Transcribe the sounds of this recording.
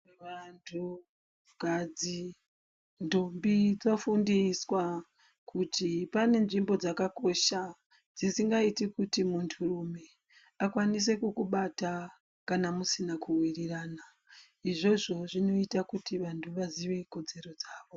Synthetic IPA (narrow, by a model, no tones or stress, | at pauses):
ʋantʰu | kad͡zi | ndombid͡zofundiswa | kʰutipane̞nʐimbo̞d͡zakako̞ʃa | d͡zisiŋɡaitikutimuntʰurume̞ | akwanis̬e̞kukuɓata | kanamusinakuwiriraːna | iʐo̞ʐo̞ʐino̞itakutiʋantʰuʋaziʋe̞ko̞d͡ze̞ɾo̞d͡zaːʋo̞